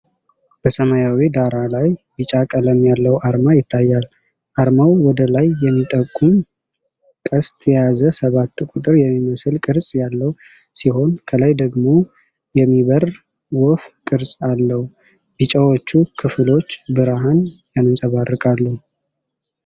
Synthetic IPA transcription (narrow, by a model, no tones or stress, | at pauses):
b̥əsəmajawid̪aɾalajbɨt͡ʃʼakʼələmjalːəwʔaɾmajɪt̪ʰːajːal | ʔaɾmawwɔd̪əlajːɛmːit̪ʼəkʼːum | kʼəst̪ʰʼjɛjazəsəβat̪ːkʷʼut̪ʼɨɾjɛmːiməsɨlkʼɨɾsʼjalːəhu | siho̞nkʰəlajd̪əɡmo̞ | jɛmːiβər | wofkʼɨɾsʼalːəhu | b̥ɨt͡ʃʼawot͡ʃːukʰɨfɨlo̞t͡ʃːbɨɾaɦanjanɨnsʼəβarːɨkʼalːəhu